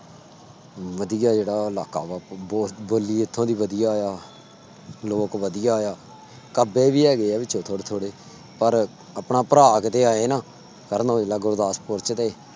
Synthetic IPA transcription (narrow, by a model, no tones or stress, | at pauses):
ʋəd̪ɪjaːd͡ʒeːɽaːlaːka̰ːʋaːoːboːlːiːɪt̪ʰːõːd̪iːʋəd̪ɪjaːjaː | loːkʋəd̪ɪjaːjaː | kəbeːʋiːɛːɡəɛːʋɪt͡ʃʰõːt̪ʰoːɽet̪ʰoːɽeː | pəɾ | əpnaːpəɾaːkt̪eːaːeːnãː | kəɾnoːd͡ʒeːlaːɡʊɾd̪aːspʊɾt͡ʃt̪eː